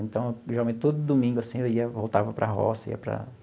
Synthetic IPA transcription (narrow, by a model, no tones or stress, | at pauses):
ẽt̪ɐ̃w̃ʒeɾawmẽt̪ɪt̪od̪ʊd̪omĩɡʊasĩewiɐvowt̪avɐpɾɐ̰ɦɔ̰sɐḭɐpɾɐ̰